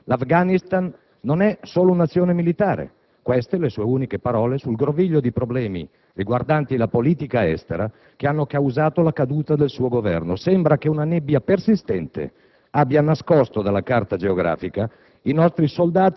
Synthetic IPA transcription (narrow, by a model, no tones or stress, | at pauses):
lafɡanist̪anː | onɛsoːlounat̪sːjoːnemilit̪aːɾḛ | kwest̪elesuːeuːnikepaɾɔːlesulɡɾoviʎːod̪ipɾoblɛːmḭ | riɡward̪ant̪ilapoliːt̪ikaɛ̰st̪eɾa | keanːokawzaːt̪olakad̪uːt̪ad̪elsuːoɡovɛ̰rnosɛmbɾakeunanɛbːjapersist̪ɛnt̪ḛ | abːjanaskɔst̪od̪alːakart̪ad͡ʒeoɡɾa̰ːfika | inɔst̪ɾisold̪aːt̪i